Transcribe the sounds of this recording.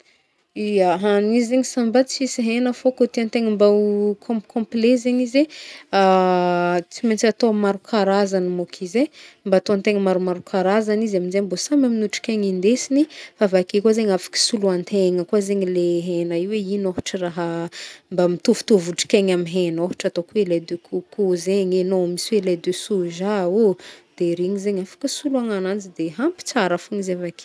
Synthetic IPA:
ijaɦanizzeɲisambat͡siisiɦenəfokot̪iant̪eŋəmbawkʰõmpkʰɔ̃mplezeɲizea | t͡siment͡sat̪omaɾukʰaɾazanimokʰizembat̪ont̪eŋəmaɾumaɾukʰaɾazanizaminzembosamaminuʈ͡ʂi̥kʲeŋind̪esinifavakekozeɲafḁkə̥suluant̪ʰeŋəkuazeɲileɦenaiweinoɦu̥ʈ͡ʂəraɦəmbamit̪uvu̥t̪uvuʈ͡ʂi̥kʲeŋamiɦenoɦu̥ʈ͡ʂat̪okuweled̪økʰukuzeɲenoamisiweled̪øsuʒaud̪̥eɾeɲizeɲafḁkəsuluaŋanant͡sid̪eɦampi̥t͡saɾafuŋizeavaki̥

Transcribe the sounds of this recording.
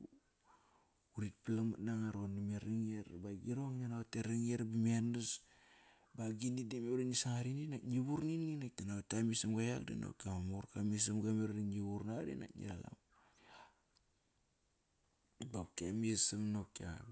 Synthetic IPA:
uɾit̚plamanaŋaɾonimeɾiŋeɾbaɡiɾoŋnanateɾaŋeɾbimianus | baɡinidimeuɾanisaŋaɾininaɲiβuɾninŋinaktanaatamisamɡajakdḭno̰pkamamuɾkamies̬amɡameɾɾiŋiβuɾnadḭna̰knḭɾa̰la̰m | bapkiamiesamnopkia̰

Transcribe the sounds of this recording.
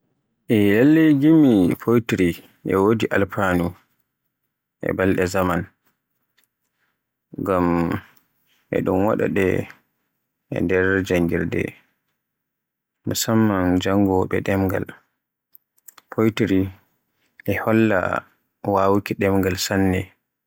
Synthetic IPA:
ʔɛlalːeɡimipʰojtɾi | ʔɛ̰wodiʔalpanu | ʔɛ̰balɗɛzaman | ɡam | ʔɛ̰ɗunwa̰ɗa̰ɗɛ̰ | ʔɛ̰ndɛɾd͡ʒaŋɡiɾdɛ̰ | musamːand͡ʒaŋɡɔɓɛ̰ɗɛmɡa̰l | pʰojtiɾi | ʔɛhɔlːa̰ | wawukiɗɛmɡalsanːɛ

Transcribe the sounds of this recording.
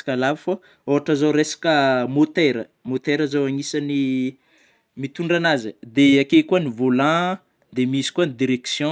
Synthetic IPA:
kalavifa | oɦaʈ͡ʂəzawɾesḁkəmot̪eɾə | mot̪eɾəzawaŋisani | mit̪uɳɖ͡ʐanazəd̪eakejkuanivolã | d̪emisi̥kuanid̪iɾeksjɔ̃

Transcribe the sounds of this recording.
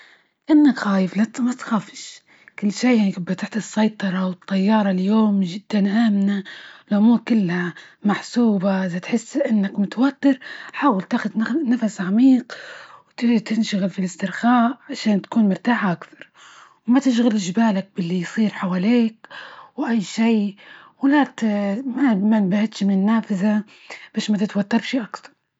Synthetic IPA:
ʔɪnːakxaːjɪflat̪mat̪xaːfɪ̥ʃ | kɪlːʃiːjaʕnikabːat̪aħt̪ɨsːɑjt̪ˤɑɾˤɑwɨt̪ˤːɑjːɑːɾˤɑljoːmʒɪd̪̥ːanʔaːmnalʔʊmuːɾkɪlːhamaħsuːbaʔɪðat̪ħɪsːʔɪnːakmʊt̪awat̪ːɪɾħaːwalt̪aːxʊd̪nafasʕamiːqwt̪ɪt̪ɪnʃaɣɪlfilɪst̪ɪɾxaːʔʕaʃaːnt̪ḁkuːnmʊɾt̪aːħaʔakθɑɾˤ | wmat̪ɪʃ̬ɣɪlɪʒbaːlak̚bɪlːijsˤiːɾħawaːliːkwʔajːʃiː | wɪlat̪mamanbahɪt̪ʃmɪnɪnːaːfɪza | b̥aːʃmat̪ɪt̪wat̪ːɑɾˤʃiːʔakθɑ̥ɾˤ

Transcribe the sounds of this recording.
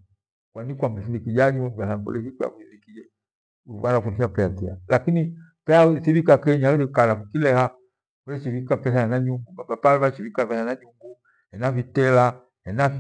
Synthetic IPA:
kwanikwambasilikid͡ʒaɲimaasabṵlɛkikɛja̰kuinikid͡ʒɛ | βanafulsiapɛapɛa̰lakini | pɛasiβikakɛɲaɾikalakukilɛha | kulɛt͡ʃiβikapɛsajanaɲuŋɡubabapalvat͡ʃivikaβɛanaɲuŋɡu | hɛnavitɛla | hɛna

